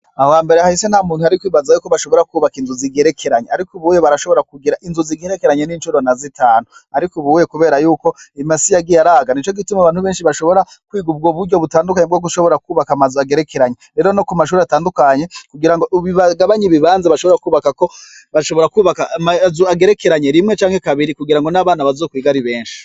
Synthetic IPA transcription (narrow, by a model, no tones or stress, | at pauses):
awaːmbe̞ɾehahisen̥hamuːn̥uhaɾikwiːβazajuːko̞βaʃo̞βo̞ɾakuːβakinzuziɡeɾekʰe̞ɾaɲeaɾikuβujeβaɾaʃo̞βo̞ɾakuɡiɾaʔinzuziɡeɾekeɾaɲe̞nint͡ʃuɾo̞nazitaːnuaɾikuβujekuβe̞ːɾajuːko̞imasijaɡijaɾaːɡanit͡ʃo̞ɡitumaβaːn̥huβe̞ːnʃiβaʃo̞βo̞ɾakwiːɡub̚ɡoβuɾɟo̞βutaːndukaɲebɡoɡuʃo̞βo̞ɾakuːβakamazuaɡe̞ɾekeɾaɲeɾe̞ːɾo̞nokumaʃ̬uːɾeataːndukaɲe̞kuɡiɾaŋɡoʔβiβaɡaβaɲiβiβaːnzaβaʃo̞βoɾakuːβakako̞ | βaʃo̞βoɾakuːβakamazuaɡe̞ɾe̞keɾaɲe̞ɾimŋet͡ʃaːŋhe̞kaβiɾikuɡiɾaŋɡo̞naβaːnaβazoːkwiːɡaɾiβe̞ːnʃi̥